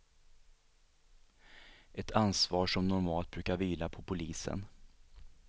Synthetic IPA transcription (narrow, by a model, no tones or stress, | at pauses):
ʔɛt̪ʰansvɑːʂɔmnʊɾmɑːlt̪̚bɾʉ̟ːkaɾviːlapʰɔpʰʊliːsə̰n